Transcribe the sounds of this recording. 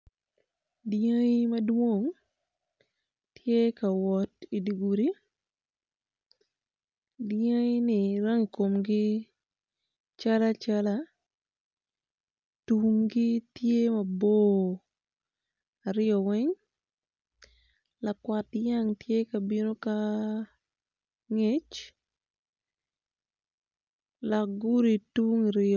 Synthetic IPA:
dja˦i˦mɐ˦dwo˦˨ŋ | tje˦ka˨wɔ˨ti˨di˨ɡu˨ɾi˦ | dja˦nɪ˨ɾa˦ŋi˨ko˨mɡɪ˦ | t͡ʃa˦la˦t͡ʃa˦la˦ | tu˨ŋɡɪ˦tje˦ma˨bo˦ | a˨ɾɪjɔ˨wɛ˦ŋ | la˨kwa˨tja˦ŋtje˦ka˨bi˦no˦ka˦ | ŋe˦t͡ʃ | la˨ɡu˦ɾi˨tu˦ŋi˨ɾɪ

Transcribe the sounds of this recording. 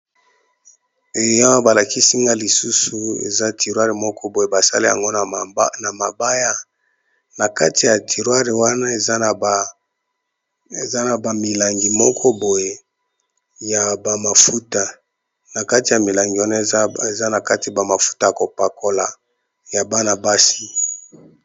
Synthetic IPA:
e˨jã˦wba˨la˨ki˦si˦ŋɡa˦li˨su˦su˨ḛ˨za˦ti˨ʁwa˦ʁe˨mɔ˦kʰɔ˦bo˨je˨ba˨sa˦le˦ja̰˨ŋɡo˦˨na˨ma˨ba˦ja˦ | na˨ka˦ti˨ja˨tʰi˨ʁwa˦ʁe˨wa˦na˦e˨za˦n˨b | e˨za˦na˨ba˨mi˨la˨ŋɡi˨mɔ˦kʰɔ˦bo˨je˨ | ja˨ba˨ma˨fu˦ta˨ | na˨ka˦ti˨ja˨mi˨la˨ŋɡi˨wa˦na˦˨˦e˨za˦na˨ka˦ti˨a˨ba˨ma˨fu̥˦ta˦ja˨ko˨pa˨kʰo˨la˨ | ja˨ba˦na˨ba˦si˦

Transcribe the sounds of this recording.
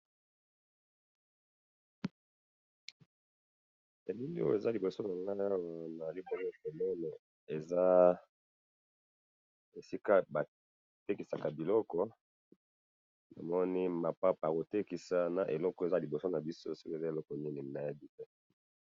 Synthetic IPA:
e˨li˦li˦o˦je˨za˦li˨bo˨so˦na˨la˦wa˨na˨li˦bɔ˦lɔ˦ko˨mɔ˦nɛ˨ | e˨za˦ | e˨si˦ka˦ba˨ | te˦ki˨sa˨ka˨bi˨lɔ˦kɔ˦ | na̰˨mɔ˦ni˦ma˨pa˦pa˨ko˨te˦ki˨sa˦na˨ʔe˨lɔ˦kɔ˨e˨za˦li˨bo˨so˦na˨bi˦so˦si˦ke˨za˦e˨lɔ˦kɔ˨ni˦ni˨na˨ja˦di˦tɛ˦

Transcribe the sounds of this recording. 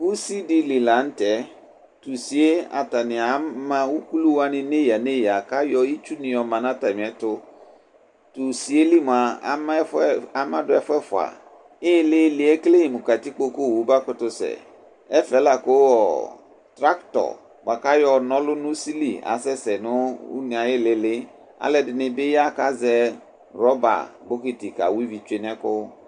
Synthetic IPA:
wu˦si˦di˨li˨la˨˦n̩˦tɛ˨˦ | tu˨si˨e˦a̰˨ta˨nɪ̃˨a˨mã˦wu˦ku˦lu˦wa˦nɪ̃˦ne˦ja˨ne˦ja˨ka˦jɔ˦i˦t͡ʃu˦nɪ̃˨jɔ˨mã˨nã˦ta˨mɪ̃˨ɛ˨tʊ˦ | tu˨si˨e˦li˦mʊ̃˨a̰˨˦m˦fa˦mã˦dʊ˨˦ɛ˦fʊ˦ɛ˦fʊ˨a̰˨ | ɪ˦lɪ˦lɪ˦ɛ˦kle˦hi˨mʊ˨ka˨ti˦k͡po˦ko˦˨wu˨˦ba˦kʊ˦tʊ˦sɛ̰˨ | ɛ˦fɛ˨˦la˨kʊ˦ɔ˨ | tɾa˦ktɔ̰˨ | wa˨ka˦jɔ˦nɔ˦lʊ˦nʊ̃˦si˦lḭ˨a̰˨sɛ˦sɛ˨nʊ˦ṵ˦ni˨a˨jɪ˦lɪ˨lɪ˦ | a̰˨lɛ˨dɪ˨nɪ˨bɪ˦ja˦ka˦zɛ˦ | ɾɔ˦ba̰˨bʊ˦ki˨ti˨ka̰˨wi˦vi˨t͡ʃe˦nɛ˦kʊ˦

